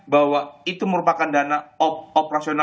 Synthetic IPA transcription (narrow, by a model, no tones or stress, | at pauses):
bahwait̪uməɾupakandanaoopɾasiona